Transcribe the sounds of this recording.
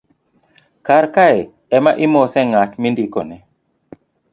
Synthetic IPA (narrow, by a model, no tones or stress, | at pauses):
kaɾkae | ɛmaʔimɔsɛŋatmindikɔnɛ